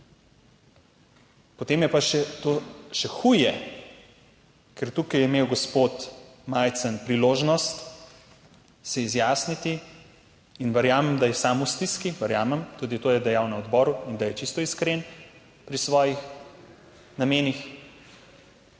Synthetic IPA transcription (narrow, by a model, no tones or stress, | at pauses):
pɔt̪eːmjɛpaʃɛt̪oʃɛxuːjɛ | kɛɾt̪ukijɛimeːwɡɔspot̪majt̪sənpɾiloːʒnɔst̪ | sɛizjaːsnit̪iː | nʋɛɾjaːmɛmd̪ajɛsaːmust̪iskiʋɛɾjaːmɛmt̪ud̪it̪oːjɛd̪ɛjaːwnaɔd̪bɔːɾuind̪ajɛt͡ʃist̪ɔiskɾen | pɾisʋɔːjix | nameːnix